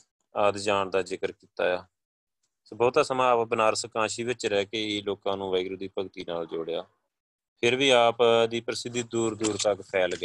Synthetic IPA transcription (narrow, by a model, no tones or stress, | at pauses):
əːd̪d͡ʒaːɳd̪aːzɪkəɾkiːt̪a̰ːjaː | sbɔːt̪aːsəmãːpbənaːɾsəkãːʃiːʋɪt͡ʃɾɛːkeːloːkãːnũːʋəɪɡɾud̪iːpəɡt̪iːnaːld͡ʒoːɽejaː | pʰɪɾʋiːaːpd̪iːpɾəsɪd̪əd̪uːɾd̪uːɾt̪əkpʰɛːlɡeː